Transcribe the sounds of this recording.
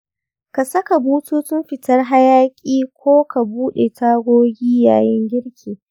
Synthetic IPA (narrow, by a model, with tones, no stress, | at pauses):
ka˨sɐ˦ka˨buː˦tuː˦tʊ˦mɸɪ˨tɐ˦rɦa˦jaː˦kʲʼiː˦kʷoː˦ka˨buː˦ɗe˨tʰaː˦ɡʷoː˦ɡʲiː˦ja̰ː˨jɪ˦ŋɡʲɪ˦ɽkʲʰiː˨